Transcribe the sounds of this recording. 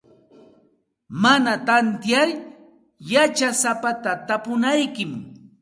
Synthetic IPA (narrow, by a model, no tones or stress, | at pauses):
manat̪ant̪jaɾ | jat͡ʃasapat̪at̪apʊnajkɪm